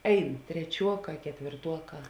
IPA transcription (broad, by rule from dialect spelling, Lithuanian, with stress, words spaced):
ˈɛɪn tʲrʲɛˈt͡ʃʲuɔˌkɑː kʲɛtʲʋʲeːrˈtuɔˌkɑː